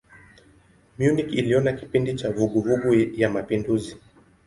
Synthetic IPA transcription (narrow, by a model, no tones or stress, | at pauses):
mjunikiliɔnaki̥pindit͡ʃavuɠuvuɡujamapinduzi